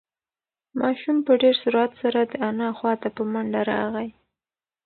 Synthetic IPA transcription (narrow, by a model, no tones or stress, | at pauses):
mɑʃumpəɖeɾsuɾuat̪saɾad̪əanɑxwɑt̪apəmaɳɖaɾɑ̰ɣaj